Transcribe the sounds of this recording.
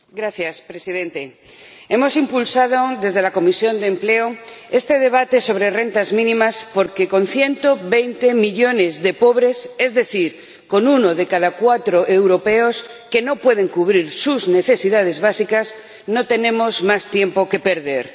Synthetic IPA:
ɡɾaθjaspɾesið̞ẽ̞nt̪e | e̞mo̞simpulsað̞od̪e̞zð̞e̞lako̞misjo̞nd̪empleoe̞st̪eð̞e̞β̞at̪e̞so̞β̞ɾere̞nt̪azmĩnĩmaspo̞ɾkeko̞n̟θje̞nt̪o̞βejnt̪emiʎo̞ne̞zðe̞po̞β̞ɾe̞se̞zðe̞θiɾ | ko̞nunoðekað̞akwat̪ɾo̞ʔewɾopeoske̞no̞pwe̞ð̞e̞ŋkuβɾiɾsuzne̞θe̞siðað̞e̞zβasikas | no̞t̪e̞nẽ̞mo̞zmast̪je̞mpo̞ke̞pe̞ɾðe̞ɾ

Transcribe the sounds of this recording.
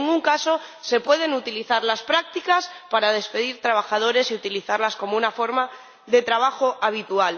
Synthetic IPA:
ŋuŋkaso̞se̞pwe̞ð̞e̞nut̪iliθaɾlaspɾak̚t̪ikaspaɾað̞e̞spe̞ðiɾt̪ɾaβ̞axað̞o̞ɾe̞siut̪iliθaɾlasko̞mounafo̞ɾma | ðe̞t̪ɾaβ̞axo̞ʔaβ̞it̪ual

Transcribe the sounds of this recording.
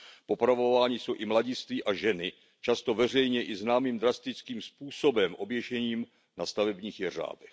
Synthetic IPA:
po̞pɾavo̞vaːɲɪso̞wʔɪmlaɟɪst̪viːʔaʒɛnɪ | t͡ʃast̪o̞vɛr̝ɛjɲɛʔɪznaːmiːmd̪ɾast̪ɪt͡skiːmspuːso̞bɛmʔo̞bjɛʒɛɲiːm | nast̪avɛbɲiːxjɛr̝a̰ːdɛx

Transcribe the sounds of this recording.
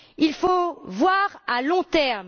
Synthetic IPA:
ilfovwaʁalɔ̃t̪ɛʁm

